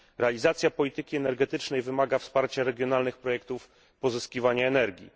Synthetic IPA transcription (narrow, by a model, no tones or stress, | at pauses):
ɾɛalʲizat̪sʲjapɔlʲit̪ɘkʲiɛnɛɾɡɛt̪ɘt͡ʂnɛjvɘmaɡafspaɾt͡ɕaɾɛɡʲjɔnalnɘxpɾɔjɛk̚t̪uf | pɔzɘskʲivaɲaɛnɛɾɡʲḭ